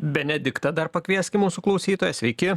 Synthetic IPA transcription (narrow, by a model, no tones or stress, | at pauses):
bʲɛnʲɛd̪ʲɪkt̪ɐd̪ɐɾpɐkʲʋʲiɛsʲkʲɪmuːsuklˠɒʊsʲiːt̪oːjɛsʲʋʲɛɪkʲɪ